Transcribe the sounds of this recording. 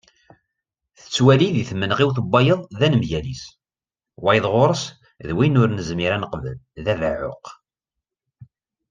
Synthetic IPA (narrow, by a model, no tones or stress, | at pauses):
θə̥t͡sːwæliðiθmːənʁiwθəbːɑjəðˤðænəmʝælis | wæjðˤʁoɾˤəs | ðwinʊɾnəzmiɾænəqvə̰lðæðʕʊ̰q